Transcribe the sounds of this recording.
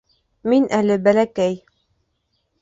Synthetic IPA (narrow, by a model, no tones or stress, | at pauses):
minʔælɘbælækæj